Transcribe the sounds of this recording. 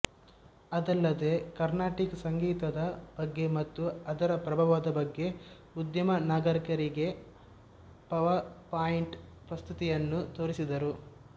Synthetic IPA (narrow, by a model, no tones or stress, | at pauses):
ɐd̪ɐlːɐd̪e̞kɐɾnaːʈiksɐŋɡiːt̪ɐd̪ɐb̥ɐɡːe̞mɐt̪ːuɐd̪ɐɾɐpɾɐbʱaʋad̪ɐbɐɡːe̞ | ud̪jɐmɐnaːɡɐɾikɐɾiɡe̞ | pɐʋɐɾpaːjiɳʈpɾɐst̪ʰit̪ijɐnːut̪o̞ːɾisid̪ɐɾu